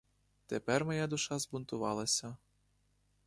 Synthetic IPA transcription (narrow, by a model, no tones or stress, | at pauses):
t̪ɛpɛrmɔjad̪ʊʃɑzbʊnt̪ʊʋɑlˠɐsʲɐ